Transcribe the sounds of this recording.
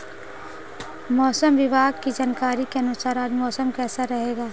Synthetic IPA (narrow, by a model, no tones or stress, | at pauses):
mɔːsəmʋɪbaːɡ̚kid͡ʒaːnkaːɾikeɐnʊsaːɾaːd͡ʒmɔːsəmkɛːsaɾɐɦeːɡaː